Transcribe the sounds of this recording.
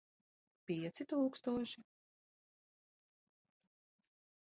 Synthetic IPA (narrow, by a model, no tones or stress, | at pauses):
pʲiɛt̪sit̪uːkst̪uɔʃi